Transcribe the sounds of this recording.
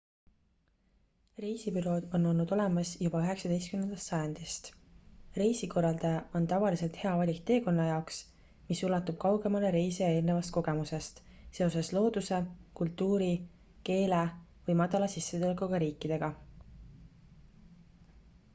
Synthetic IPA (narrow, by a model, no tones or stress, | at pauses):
riːsibyɾo̞ːd̪̥o̞nːo̞lnud̪̥o̞le̞mɑsjubɑyɦe̞ksɑd̪̥e̞jst̪kymnend̪ɑst̪sɑjɑnd̪̥ist̪riːsiko̞rːˑɑld̪ɑjɑʔo̞nt̪ɑvɑlise̞lt̪he̞ɑvɑlʲikt̪e̞ːko̞nːɑjɑoks | misulɑt̪ːub̥̚kɑwɡe̞mɑle̞ɾeːseje̞ːlnevɑst̪̚ko̞ɡ̥e̞muse̞st̪se̞oseslo̞ːd̪̥use̞kult̪ːˑuːɾi | ke̞ːlevɯɤjmɑd̪̥ɑlɑsisːe̞t̪ulkuɡ̥ɑɾiːkːˑid̪̥e̞ɡ̥ɑ